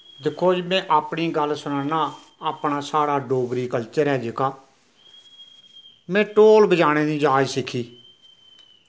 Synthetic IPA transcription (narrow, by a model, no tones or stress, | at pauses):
d̪ɪkʰːoːd͡ʒmɛ̃ːʔaːpɳiːɡəlsʊnaːnaː | aːpɳaːsaːɽaːɖoːɡɾiːkəlt͡ʃəɾɛːd͡ʒɪkaː | mɛ̃ːʈoːlbəd͡ʒaːɽ̃eːd̪ĩːd͡ʒaːd͡ʒsɪkʰːiː